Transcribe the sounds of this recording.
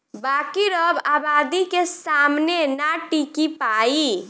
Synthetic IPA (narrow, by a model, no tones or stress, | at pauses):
bakiɾəbabad̪ikesamnenaʈikipai